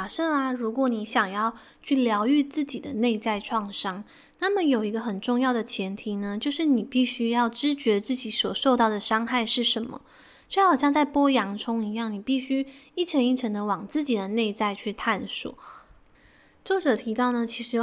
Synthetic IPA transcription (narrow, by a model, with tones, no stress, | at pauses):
ʂɤ˥˩a˨˩ɻu˧˥kwɔ˧˥˦ni˧˥ɕjɑ˨˩ŋjɑ˥˧ʊ | t͡ɕʰy˥˩ljɑ˧˥ʊy˥˧t͡sɹ̩˥˩t͡ɕi˨˩d̪ə˦ne˥˧ɪt͡sa˥˧ɪʈ͡ʂʰwɑ˥˩ŋʂɑ˥ŋ | na˥˩mə˨jo˨˩ʊi˧˥ɡə˧xə˨˩nʈ͡ʂʊ˥˧ŋjɑ˥˩ʊd̪ə˩t͡ɕʰjɛ˧˥nt̪ʰi˧˥nə˧t͡ɕjo˥˧ʊʂɻ̩˥˩ni˨˩pi˥˩ɕy˥jɑ˥˩ʊʈ͡ʂɻ̩˥t͡ɕɥɛ˧˥t͡sɹ̩˥˩t͡ɕi˨˥swɔ˨˩ʂo˥˧ʊt̪ɑ˥˩ʊd̪ə˩ʂɑ˥ŋxa˥˩ɪʂɻ̩˥˩ʂə˧˥nmə̰˨˥˩ | xɕjɑ˥˧ŋt͡sa˥˩ɪpwɔ˥jɑ˧˥ŋʈ͡ʂʰʊ˥ŋi˧˥jɑ˥˩ŋni˨˩pi˥˩ɕy˥i˥˩ʈ͡ʂʰə˧˥ni˥˩ʈ͡ʂʰə˧˥ŋd̪ə˧˦wɑ˨˩ŋt͡sɹ̩˥˩t͡ɕi˨˩d̪ə˦ne˥˧ɪt͡sa˥˧ɪt͡ɕʰy˥˧t̪ʰa˥˩nsṵ˨˩˦ | t͡so˥˩ʈ͡ʂɤ˨˩t̪ʰi˧˥t̪ɑ˥˩ʊnə˩t͡ɕʰi˧˥ʂɻ̩˧˥